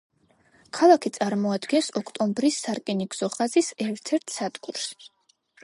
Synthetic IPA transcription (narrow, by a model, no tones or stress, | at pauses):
kʰalˠakʰit̪sʼaɾmɔad̪ɡɛnsɔkʰt̪ʼɔmbɾisaɾkʼɛniɡz̥ɔχazisɛɾt̪ʰɛɾt̪ʰsad̪̥ɡuɾs